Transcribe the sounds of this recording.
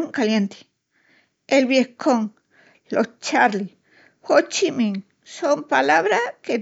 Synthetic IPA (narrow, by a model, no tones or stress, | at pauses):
ŋkalje̞nt̪i̥ | elβjehkoŋ | lost͡ʃaɾli | xot͡ʃimĩŋ | sompalaβɾake